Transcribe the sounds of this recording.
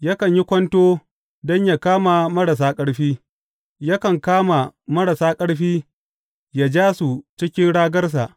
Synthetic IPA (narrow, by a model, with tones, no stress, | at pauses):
ja˦kɐ˨ɲji˦kʷɔ˦ntoː˦ | dɔ˦ɲja˨kaː˦ma˨mɐ˦ɽa˨s̬aː˦kʼɐ˦ɽɸiː˦ | ja˦kɐ˨ŋkaː˦ma˨mɐ˦ɽa˨saː˦kʼɐ˦ɽɸiː˦ | ja˨d͡ʒaː˦su˨t͡ʃɪ˦kʲɪ˦nɽaː˦ɡɐ˦rs̬a˨ʔ